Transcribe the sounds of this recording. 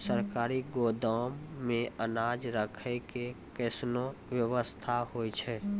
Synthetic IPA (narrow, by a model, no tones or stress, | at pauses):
səɾkaːɾiɡoːd̪aːmːẽənaːd͡ʒɾəkʰeke | keːsnowjəʋəst̪ʰahoːit͡ʃʰɛ